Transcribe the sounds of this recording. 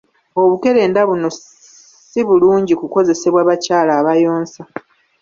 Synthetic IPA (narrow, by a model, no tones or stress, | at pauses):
o̞βuke̞ɾe̞ːndaβuno̞ | siβuluːɲɟikuko̞ze̞se̞βwaːβacaːlaːβajo̞ːnsa